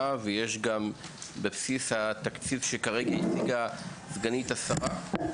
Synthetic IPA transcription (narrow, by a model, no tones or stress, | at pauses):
aveje̞ʃɡambepsishat̪akt͡sivʃekaʁe̞ɡait͡siɡazɡanit̪hasaʁa